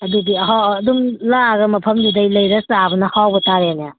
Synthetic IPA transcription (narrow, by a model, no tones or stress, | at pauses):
ɐduɡiɦawːdumlaɡɐmɐpʰɐmdidɐjlɐjɾɐsabɐnɐhawbɐtaɾenja